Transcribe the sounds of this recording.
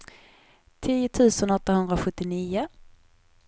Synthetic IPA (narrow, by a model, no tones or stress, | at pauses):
t̪ʰiːʊt̪ʰʉ̟ːsənɔt̪ːahɵnd̪ɾaɧɵt̪ːɪniːʊ